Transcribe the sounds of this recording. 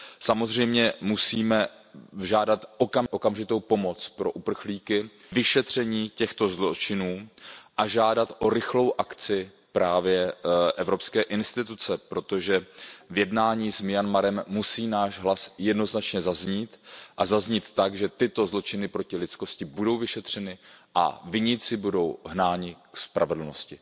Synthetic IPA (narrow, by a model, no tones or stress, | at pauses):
samo̞zr̝ɛjmɲɛmusiːmɛ | ʒaːdat̪ʔokamʔo̞kamʒɪt̪o̞wpo̞mo̞t͡spɾo̞̰ʔupr̩xliːkɪ | vɪʃɛt̪r̝̥ɛɲiːcɛxt̪o̞zlot͡ʃɪnuːʔaʒaːdat̪ʔo̞ɾɪxlo̞wʔakt͡sɪ | pɾaːvjɛʔɛvɾo̞pskɛːʔɪnst̪ɪt̪ut͡sɛpɾo̞t̪o̞ʒɛvjɛdnaːɲiːsmɪjanmaɾɛmːusiːnaːʒɦlasjɛdno̞znat͡ʃɲɛzazɲiːt̪ʔazazɲiːt̪ːaɡʒɛt̪ɪt̪o̞zlo̞t͡ʃɪnɪpɾo̞cɪlɪt͡sko̞scɪbudo̞wvɪʃɛt̪r̝̥ɛnɪʔa̰vɪɲɪt͡sɪbudo̞wɦnaːɲɪkspɾʔa̰vɛdl̩no̞scɪ